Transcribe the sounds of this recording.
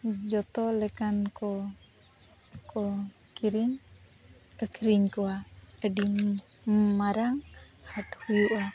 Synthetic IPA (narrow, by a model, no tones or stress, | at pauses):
d͡ʒɔt̪ɔlɛkankɔ | kɔ | kiɾiɲ | əkʰɾiɲkɔwaəɖim | maɾaŋ | haʈhujuʔa